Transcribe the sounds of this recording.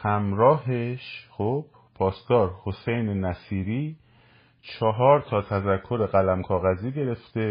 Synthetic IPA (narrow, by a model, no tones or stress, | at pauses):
hæmɾɒːɦeʃχob̥ | pʰɒːst̪ɒːɾhosejnenæsiːɾiː | t͡ʃʰɒɦɒːɾt̪ʰɒːt̪ʰæzækʰːo̞ɾe̞ɣælæmkʰɒːɣæziːɟe̞ɾe̞ft̪e̞